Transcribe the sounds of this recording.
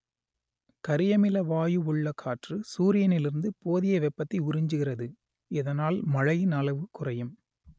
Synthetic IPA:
kɐɾɪjɐmɪlɐʋaːjɯʊɭːɐkʰːaːʈrɯsuːɾɪjɐnɪlɪɾɯnd̪ɯpoːðɪjɐʋɛpːɐt̪ːɐɪʊɾɪɲd͡ʒɯɣɪrɐðɯ | ɪðɐnaːlmɐɻɐjɪnɐɭɐʋɯkʊrɐjɯm

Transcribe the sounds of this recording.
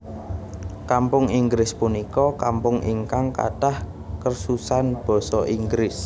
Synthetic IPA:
kampʊŋiŋɡɾɪspunikɔkampʊŋiŋkaŋka̰tah | kərsusanb̥ɔ̤sɔʔiŋɡɾɪs

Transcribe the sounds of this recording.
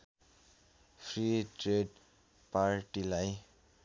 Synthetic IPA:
pʰriʈreɖ | paɾʈilaj

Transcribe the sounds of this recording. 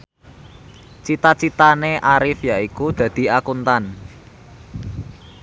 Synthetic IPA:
t͡ʃit̪at͡ʃit̪aneʔaɾɪfjaikud̪̥ä̤d̪̥i̤akunt̪an

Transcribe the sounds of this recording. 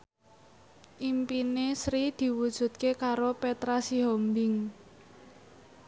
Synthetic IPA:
ʔimpinesɾid̪̥i̤wud̥ʒ̥ṳt̪̚kekaɾopet̪ɾasiɦɔmbɪŋ

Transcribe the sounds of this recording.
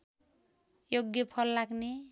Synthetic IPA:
joɡjʌpʰʌlːaɡne

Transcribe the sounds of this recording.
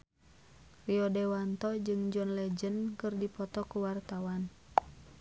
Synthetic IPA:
riɔdɛwant̪ɔd͡ʒɨŋd͡ʒɔnlɛd͡ʒənkɨrdipɔt̪ɔkuwart̪awan

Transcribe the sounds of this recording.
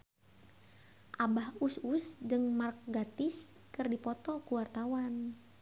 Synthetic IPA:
ʔabahususd͡ʒɨŋmark̚ɡat̪ɪs | kɨrdipɔt̪ɔkuwart̪awan

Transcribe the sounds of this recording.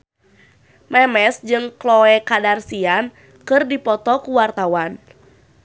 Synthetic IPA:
mɛmɛsd͡ʒɨŋklɔɛkadarsian | kɨrdipɔt̪ɔkuwart̪awan

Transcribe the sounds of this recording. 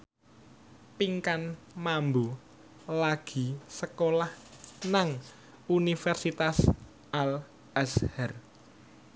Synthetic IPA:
piŋkan | mambo | laɡ̥i̤səkolahnaŋ | unifɛrsit̪as | ʔal | ashɛr

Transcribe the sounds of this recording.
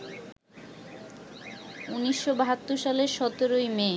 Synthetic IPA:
uniʃːobaɦat̪ːoɾʃaleɾʃɔt̪oɾojme

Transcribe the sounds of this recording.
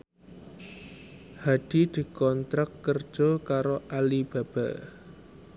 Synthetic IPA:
haɖ̪̥i̤d̪̥i̤kɔnt̪ɾakːərd̥ʒ̥okaɾoʔalib̥a̤b̥a̤ʔ

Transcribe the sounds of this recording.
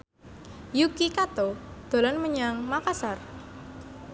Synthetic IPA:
jukikat̪od̪̥o̤lɔnməɲaŋmakasar

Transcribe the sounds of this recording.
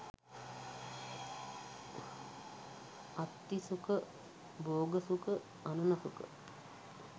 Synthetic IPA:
at̪ːisukə | boːɡəsukə | anunasukə̰

